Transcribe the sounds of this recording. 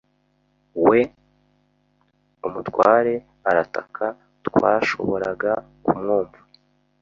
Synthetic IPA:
we̞ | umutwaːɾe̞ | aɾatakʰa | tkwaːʃo̞̰βo̞ɾaɡa | kumŋuːɱva

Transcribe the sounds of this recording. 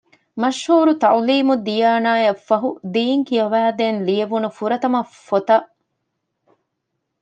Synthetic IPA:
mɐʃhuːɾut̪ɐʔliːmud̪ijaːnaːjɐfːɐɦud̪iːŋkijɐʋæːd̪eːnlijeʋunufuɾɐt̪ɐmɐfot̪ɐʔ

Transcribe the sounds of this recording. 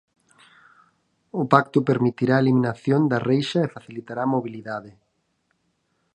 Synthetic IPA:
ʊpakt̪ʊpeɾmit̪iɾaeliminaθjond̪ɐrejʃɐefaθilit̪aɾamoβiliðaðɪ

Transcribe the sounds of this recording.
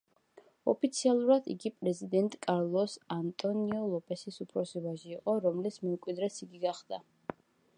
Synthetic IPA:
ɔpʰit̪sʰialˠuɾad̪ḭɡipʼɾɛzid̪ɛnt̪ʼkʼaɾlˠɔsant̪ʼɔniɔlˠɔpʼɛsisupʰɾɔsivaʒiːqʼɔɾɔmlismɛmkʼwid̪ɾɛsiɡiɡaχd̪̥a

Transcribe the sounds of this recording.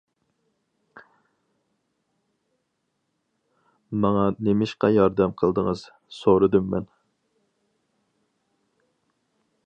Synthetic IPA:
mɑŋɑnemɪʃqɑjɑɾd̪ɛmqʰəlˠd̪əŋəz̥ | soɾɨd̪ɨmːɛn

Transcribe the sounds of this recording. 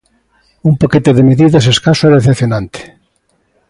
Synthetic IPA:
umpoket̪eðemeðiðɐs̬eskasoɛɾðeθepθjonãnt̪e̥

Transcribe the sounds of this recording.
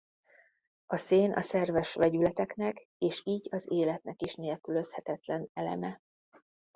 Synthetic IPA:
ɒseːnʔɒ̰sɛrvɛʃʋɛɟylɛt̪ɛknɛkeːʃiːɟɒzeːlɛt̪nɛkiʃneːlkylø̞shɛt̪ɛt̪lɛnɛlɛ̰mɛ

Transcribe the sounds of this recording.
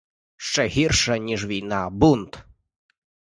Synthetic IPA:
ʂt͡ʂɛɦʲirʂɛnʲiʐʋʲijnabunt̪

